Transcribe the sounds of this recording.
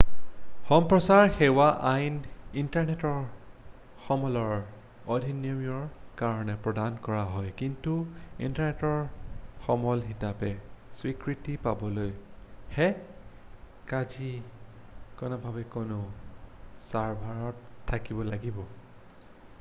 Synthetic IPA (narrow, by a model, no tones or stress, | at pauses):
xɔmpɹɔsaɹxewaʔajnintaɹnɛtɔɹ | xɔmɔlɔɹ | ɔdʱiniɔmiɔɹkaɹɔnɛpɹɔdankɔɹaɦɔjkintuḭntaɹnɛtɔɹxɔmɔlɦitapɛswikɹitipabɔlojhɛ | kad͡ʒi | kɔnɔbʱabɛkonʊ | saɹbʱaɹɔtʰːakibɔlaɡibɔ